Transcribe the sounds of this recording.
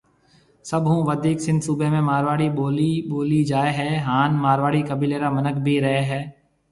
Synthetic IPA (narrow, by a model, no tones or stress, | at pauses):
səbɦũːʋəd̪ʱiːksɪ̃nd̪subemẽmaːɾʋaːɽiboːliboːlid͡ʒaːeɦɛːɦaːnmaːɾʋaːɽiːkəbʱiːleːɾaːmənəkʰbʱiːɾɐɦeɦɛː